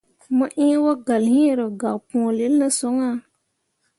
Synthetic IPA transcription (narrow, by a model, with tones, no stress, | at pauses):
mə˦ʔĩ˦wo˦ɡa˨lhĩ˦˨ɾə˨ɡa˨pũ˨le˦lnə˦so˦ŋa˦